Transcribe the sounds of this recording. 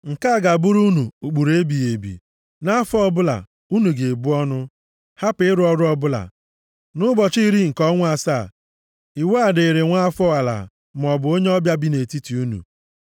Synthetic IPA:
ŋ̩˨ka˦a˨ɡa˨bʊ˦ɾu˦nu˨u˨k͡pu˨ɾe˦bi˨je˨bḭ˨ | na˦a˦fɔ˦˨bʊ˦la̰˨ | u˦nu˨ɡe˨bu˦ɔ˦nʊ˦ | ha˦pɪ˦ɾʊ˦ɔ˦ɾʊ˦ɔ˦bʊ˦la̰˨ | nʊ˦bɔ˨t͡ʃi˦i˦ɾi˦ŋ̩˨kɔ˦ŋʷ˦a˨sa˦˨ | i˨we˦a˨de˨e˨ɾe˨ŋʷa˦a˦fɔ˦a˨la̰˨ | m̩˨ɔ˨bʊ˨˦o˦ɲe˦ɔ˦bja˦bi˦ne˨ti˦ti˨u˦nṵ˨

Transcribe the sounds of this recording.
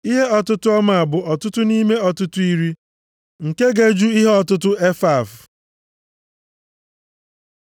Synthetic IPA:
i˦ɦe˦ɔ˦tʊ˦tʊ˦ɔ˦ma˨a˨bʊ˨ɔ˨tʊ˦tʊ˦ni˦me˦ɔ˨tʊ˦tʊ˦i˦ɾi˦ | ŋ̩˨ke˦ɡe˨d͡ʒu˦i˦ɦe˦ɔ˨tʊ˦t̬ʊ˦e˦fa˦˨v

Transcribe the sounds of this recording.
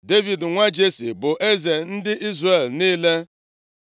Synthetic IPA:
de˦vi˨dŋʷa˦d͡ʒe˦sḭ˨bʊ˨ʔe˦ze˨n̩˦dɪ˦ʔi˦zre˨lniː˦le˦

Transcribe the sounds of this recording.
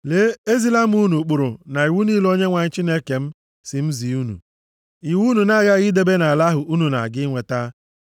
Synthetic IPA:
le˨˦e˦zi˦la˦m̩˦u˦nu˨k͡pʊ˨ɾʊ˨na˨i˨wu˦niː˦lo˦ɲe˦ŋʷa˨ɲ̩˦t͡ʃi˦ne˦ke˨m̩˦ | sɪ˨m̩˦zi˨u˦nṵ˨ | i˨wu˦nu˨na˦˨ɣa˦ɣi˦de˦be˦na˨a˨la˦ɦʊ˨ʔu˦nu˨na̰˨ɡɪ˦ŋʷe˨ta˦

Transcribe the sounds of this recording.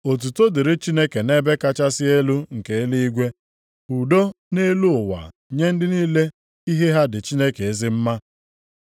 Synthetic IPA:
o˨t̬u˨to˦de˨ɾɪ˦t͡ʃi˦ne˦ke˨ne˦be˦ka˦t͡ʃa˦sɪ˦e˦lu˦ŋ̩˨ke˨e˦li˦i˦ɡʷe˦ | u˨do˦ | ne˦lu˦ʊ˨wa̰˨ | ɲe˦n̩˦dɪ˦niː˦le˦ | i˦ɦe˦ɦa˦dɪ˨t͡ʃi˦ne˦ke˨e˦zɪ˦m̩˦ma˦

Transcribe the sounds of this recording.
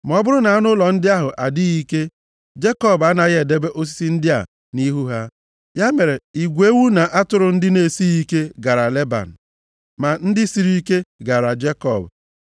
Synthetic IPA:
m˨ɔ˦bʊ˦ɾʊ˦na˨a˦nʊ˦lɔ˨n̩˦dɪ˦a˦ɦʊ˨ʔa˨dɪ˦i˦ke˦ | d͡ʒe˦kɔ˦˨ba˦na˨ɣe˨de˦be˦ʔo˦s̬i̥˦si˦n̩˦dɪ˦a̰˨ | ni˦ɦu˦ɦa˦ | ja˦me˨ɾe˨i˨ɡʷe˦wu˦na˨ʔa˦tʊ˦ɾʊ˨n̩˦dɪ˦ne˨si˦i˦ke˦ɡa˨ɾa˨le˦ba̰˨n̩˨ | ma˨n̩˦dɪ˦si˨ɾi˦ke˦ɡa˨ɾa˨d͡ʒe˦kɔ˨b

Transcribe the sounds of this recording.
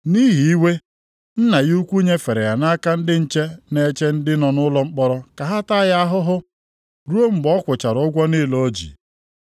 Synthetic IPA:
ni˦ɦi˨i˦we˦ | n̩˦na˨ɣu˦kʷu˦ɲe˦fe˨ɾe˨ja˨na˦ka˦n̩˦dɪ˦n̩˦t͡ʃe˦ne˦t͡ʃe˦n̩˦dɪ˦nɔ˨nʊ˦lɔ˦ŋ͡m̩˦k͡pɔ˦ɾɔ˦ka˨ɦa˦ta˦ja˦ɦʊ˦ɦʊ˦ | ɾu˦o˦m̩˨bɔ˦kʷʊ˨t͡ʃa˨ɾʊ˨ʊ˦ɡʷɔ˦ni˦lo˨˦d͡ʒḭ˨

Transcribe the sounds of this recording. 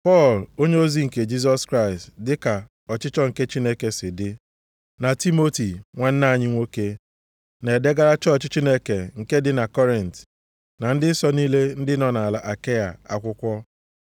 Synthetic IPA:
pɔ˦˨lo˦ɲe˦o˦zi˦ŋ̩˨ke˨d͡ʒi˦s̬ɔ˦skɾa˦˨ɪ˨stdɪ˦ka˨ | ɔ˨t͡ʃɪ˦t͡ʃɔ˦ŋ̩˨ke˦t͡ʃi˦ne˦ke˦sɪ˨dɪ˦ | na˨ti˦mo˦ti˨ŋʷe˦n̩˦na˦a˨ɲɪ˦ŋʷo˦ke˦ | ne˨de˦ɡa˦ɾa˦t͡ʃɔ˦ɔ˨t͡ʃɪ˦t͡ʃi˦ne˦ke˨ŋ̩˨ke˦dɪ˦na˨kɔ˦ɾɪ˨n̩˨t | na˨n̩˦dɪ˦sɔ˦ni˦le˦n̩˦dɪ˦nɔ˨na˨la˨ʔa˨ke˦ja̰˨a̰˨kʷʊ˦kʷɔ˦

